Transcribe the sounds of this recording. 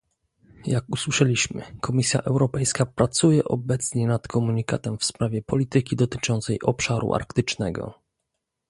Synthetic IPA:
jakuswɘʂɛlʲiɕmɘ̰kʰɔmʲisʲja̰ʔɛwɾɔpɛjskapɾat̪sujɛʔɔbɛt̪sɲɛnat̪kʰɔmuɲika̰t̪ɛmfspɾavʲjɛpɔlʲit̪ɘkʲid̪ɔt̪ɘ̥t͡ʂɔnt̪sɛjʔɔpʂaɾṵʔa̰ɾkt̪ɘt͡ʂnɛɡɔ̰

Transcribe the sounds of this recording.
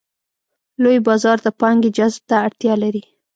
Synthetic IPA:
lojbɑzɑɾd̪əpɑŋɡed͡ʒazb̚t̪aːɽt̪jɑlaɾi

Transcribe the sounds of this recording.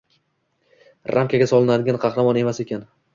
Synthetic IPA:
ɾʔamkʲaɡʲasɒlˠɪnad̪ɪɡʲanqʰɑχɾamɒne̞mase̞kʲan

